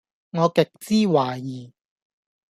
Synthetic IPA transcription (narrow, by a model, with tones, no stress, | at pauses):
ŋɔː˨˧kɪ˨k̚t͡siː˥waː˨˩jiː˨˩